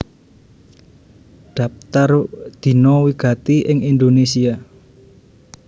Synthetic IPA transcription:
ɖ̪̥a̤p̚t̪ard̪̥i̤nɔwiɡ̥a̤t̪iʔɪŋind̪onesia

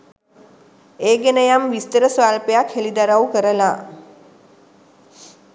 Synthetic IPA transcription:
eːɡenəjamʋist̪əɾəsʋaːlpejakhelid̪aɾawkəɾəla

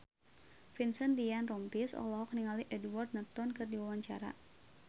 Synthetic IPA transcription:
finsəndianrɔmpisɔ̰lɔɦɔk̚niŋaliʔɛdward̪̚nat̪ɔnkɨrdiwawaɲt͡ʃa̰ɾa̰

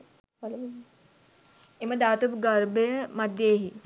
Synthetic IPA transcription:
l | eməd̪at̪upɡəɾbemɐd̪ʱjeɦi

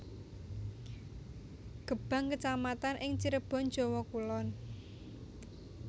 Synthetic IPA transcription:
ɡ̥ə̤b̥ä̤ŋkət͡ʃamat̪anʔɪŋt͡ʃiɾəb̥ɔ̤n̥d͡ʒ̥ɔ̤wɔkulɔn

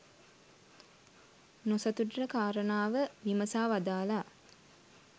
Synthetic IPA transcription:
nosɐt̪uɖrəkaːɾənaːʋəʋiməsaːʋad̪aːla

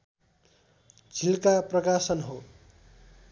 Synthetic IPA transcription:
d͡zʱilkaprʌkasʌnɦo

